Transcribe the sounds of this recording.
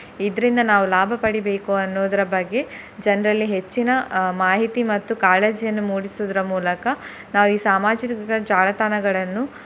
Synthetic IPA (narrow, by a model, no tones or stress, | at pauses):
id̪ɐɾind̪ɐnaːʋulaːbʱɐpɐɽibe̞ːkuɐnːoːd̪ɐɾɐbɐɡːe̞ | d͡ʒɐnɐɾɐlːiɦe̞t͡ʃːinɐmaːɦit̪imɐt̪ːukaːleːd͡ʒijɐnːumuːɽisoːd̪ɐɾɐmuːlɐkɐ | naːʋuiːsaːmaːd͡ʒikɐɡɐd͡ʒaːlɐt̪aːnɐɡɐɭɐnːu